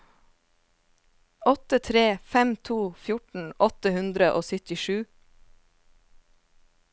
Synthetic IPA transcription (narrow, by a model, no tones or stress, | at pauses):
ɔt̪ət̪ʰɾeːfɛmt̪ʰuːfjʊʈɳ̩ʔɔt̪əhʉnd̪ɾəʔoːsʏt̪ɪʃʉː